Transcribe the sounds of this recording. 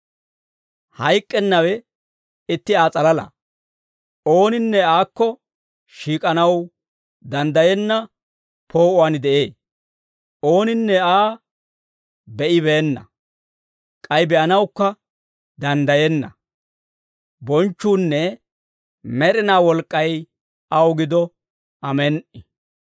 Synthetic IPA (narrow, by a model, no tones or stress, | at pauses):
hɐjkʼːɛnːɐwɛ | ɪt̪ːɪaːt͡sʼɐlɐlɐ̰ | o̞ːnɪnːɛaːkːɔ | ʃiːkʼɐnɐw | d̪ɐnd̪ɐjɛnːɐ | pʰo̞ːʔʊwaːnd̪ɛʔe̞ː | o̞ːnɪnːɛaː | bɛʔɪβe̞ːnːɐ̰ | kʼɐjbɛʔɐnɐwkːɐ | d̪ɐnd̪ɐjɛnːɐ | bɔnt͡ʃːuːnːɛ | mɛɾɪnaːwɔlkʼːɐj | ɐwɡɪd̪ɔ | ʔɐmɛnʔɪ